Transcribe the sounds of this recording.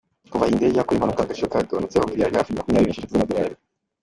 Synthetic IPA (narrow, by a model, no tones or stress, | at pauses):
kuvaindejakuɾimhanukaɡaʃiokaɡonut͡sehomiɾiaɾia̰fiimakumɲaːɾiiɲʃitatuzamad̪oɾaːɾe